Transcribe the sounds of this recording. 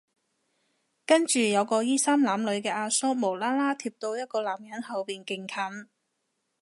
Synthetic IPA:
kɐ˥nt͡ʃyː˨jɐ˨˧wkɔː˧jiː˥saː˥mlaː˨˧mlɵ˨˧ɥkɛː˧ʔaː˧sɔː˥mo˨˩wlaː˥laː˥t̪ʰiː˧p̚t̪o˧wjɐ˥t̚kɔː˧laː˨˩mjɐ˨˥nhɐ˨˧wpiː˨nkɪ˧ŋkʰɐ˨˥n

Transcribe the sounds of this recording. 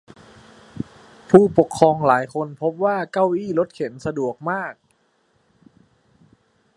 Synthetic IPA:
pʰuː˥˩po˨˩kʰːɔː˧ŋlaː˩˦jkʰo˧npʰo˦˥p̚waː˥˩ka˥˩wʔiː˥˩lo˦˥t̪̚kʰe˩˦nsa˧du˨˩ək̚maː˥˩k̚

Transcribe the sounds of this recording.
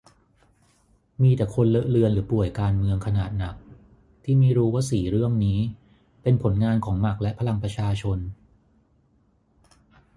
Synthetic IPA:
miː˧t̪ɛː˨˩kʰo˧nlɤ˦˥ʔlɯ˧ənlɯː˩˦pu˨˩əjkaː˧nmɯ˧əŋkʰa˧naː˨˩t̪̚na˨˩k̚ | t̪ʰiː˥˩miː˧˩ɾuː˦˥waː˥˩siː˨˩ɾɯ˥˩əŋniː˦˥ | pe˧npʰo˩˦nŋaː˧nkʰɔː˩˦ŋma˨˩k̚lɛ˦˥pʰa˧la˧ŋpɾa˧t͡ɕʰaː˧t͡ɕʰo˧n

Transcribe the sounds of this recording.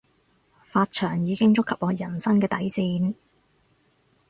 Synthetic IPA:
faː˧t̚t͡ʃʰœː˨˩ŋjiː˨˧kɪ˥ŋt͡sʊ˥kʰːɐ˨p̚ɔː˨˧jɐ˨˩nsɐ˥ŋkɛː˧t̪ɐ˨˥jsiː˧n

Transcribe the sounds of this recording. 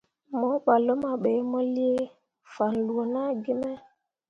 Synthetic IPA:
mɔ˦ɓa˨lo˦ma˨ɓe˨˦mɔ˦li˦e˦ | fa˨nlu˨o˨na˦ɡi˦mɛ˦

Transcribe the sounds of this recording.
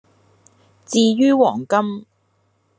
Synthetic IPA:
t͡siː˧jyː˥wɔː˨˩ŋkɐ˥m

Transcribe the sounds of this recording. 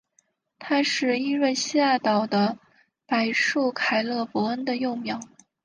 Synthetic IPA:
t̪ʰa˥ʂɻ̩˥˩i˥ɻwe˥˧ɪɕi˥a˥˩t̪ɑ˨˩ʊd̪ə˦ | pa˨˩ɪʂu˥˩kʰa˨˩ɪlɤ˥˩fwɔ˧˥ə˥nd̪ə˨˧jo˥˩ʊmjɑ˨˩˦ʊ

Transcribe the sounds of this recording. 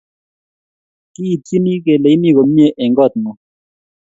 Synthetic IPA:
ki˦˨t͡si˦ni˦k̬ɛ˨le˨i˦ni˦˨k̬ɔ˨m̩˦ɲɛ˦ʔɛ˨ŋɡɔ˦˨t̪̚mɔ˨

